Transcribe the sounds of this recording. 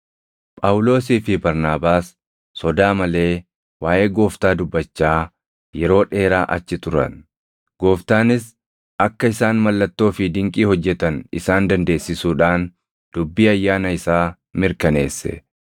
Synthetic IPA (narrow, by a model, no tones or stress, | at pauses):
pʼɐwʊlo̞ːsiːfɪbɐɾnaːbaːsː | ɔd̪aːmɐle̞ː | waːʔe̞ːɡo̞ːft̪aːd̪ʊbːɐt͡ʃːaː | jɛɾo̞ːᶑe̞ːɾaːʔɐ̰t͡ʃːɪt̪ʊɾɐ̰n | ɡ̥o̞ːft̪aːnɪs | ɐkːɐɪsaːnmɐlːɐt̪ːo̞ːfɪd̪ɪŋkʼiːhɔd͡ʒːɛt̪ɐnɪsaːnd̪ɐnd̪e̞ːsːɪsuːᶑaːn | d̪̥ʊbːiːɐjːaːnɐɪsaː | mɪɾkɐne̞̰ːsːɛ̰